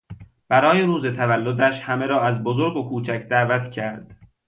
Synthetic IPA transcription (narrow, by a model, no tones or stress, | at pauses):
b̥æɾɒːjeɾuːze̞t̪ʰævælːod̪æʃhæmeɾɒːæzbozoɾɡokʰuːt͡ʃʰæcd̪æːvæt̪cʰæɾd̪̥